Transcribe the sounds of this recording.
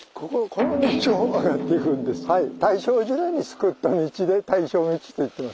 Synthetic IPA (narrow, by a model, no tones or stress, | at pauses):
kokokʰo̞nomʲiɕoaɡat̪ːeikɯ̟̃nd̪e̞sɨ̥hait̪aiɕo̞ːʑɨɾaiɲ̟isɨ̥kɯt̪ːamʲit͡ɕid̪e̞t̪aiɕo̞ːmʲit͡ɕi̥t̪o̞it̪ːemas